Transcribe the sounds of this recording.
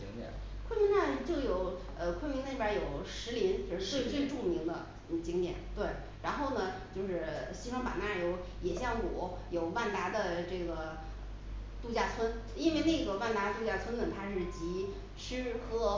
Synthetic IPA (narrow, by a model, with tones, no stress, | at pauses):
i˧˥ŋt̪ɛ̰˨˩ | kʰwə˥mi˧˥ŋt̪a˥˩n˨˩t͡ɕjo˥˩ʊjo˨˩ʊ | ə˧kʰwə˥nmi˧˥ŋn˥˧˩bjə˞˧˥jo˨˩ʊʂɻ̩˧˥li˧˥nt͡ɕʰo˧ʂɻ̩˥˧t͡swe˥˧t͡swe˥˧ɪʈ͡ʂu˥˩mi˧˥ŋd̪ə˧˩ | t͡ɕi˧˥ŋt̪jɛ̰˨˩˦nt̪we˥˩ɪ | ɻa˧˥nxo˥˩ʊnə˩t͡ɕjo˥˧ʊʂɻ̩˥˩ɕi˥ʂɑ˥ŋpa̰˨˩na˥˩jo˧˥ʊ | jɛ˨˩ɕjɑ˥˩ŋwɔ˨˩˦ | jo˨˩ʊwa˥˩nt̪a˧˥d̪ə˧ʈ͡ʂɤ˥˩ɡə˩ | t̪u˥˩t͡ɕja˥˧t͡sʰwə˥n | i˥nwe˥˧ɪne˥˩ɡə˩wa˥˩nt̪a˧˥t̪u˥˧t͡ɕja˥˩t͡sʰwə˥nə˨t̪ʰa˥ʂɻ̩˥˩t͡ɕi˧˥ | ʈ͡ʂʰɻ̩˥˧kʰɤ˥